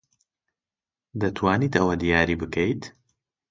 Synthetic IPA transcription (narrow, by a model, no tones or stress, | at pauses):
d̪ɐt̪ʰwaːniːt̪ɐwɐd̪ijaːɾiːbɨkʰɐjt̪